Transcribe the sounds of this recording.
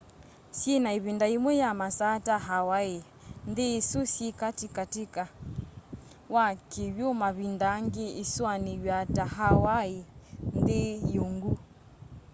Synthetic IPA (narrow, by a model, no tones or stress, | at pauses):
sjinaiβindaimwɛjamasataɦawae | ndeːsusikatikatika | wakiβjomaβindaŋɡeiswaniβjataɦawaindejuŋɡu